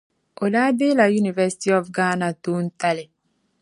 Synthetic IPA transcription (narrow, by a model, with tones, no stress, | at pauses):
o˨la˦be˦la˨ju˦ni˨vɛ˦si̥˦ti˦ɔ˨fɡa˦na˨tu˦n̩˦ta˦le˨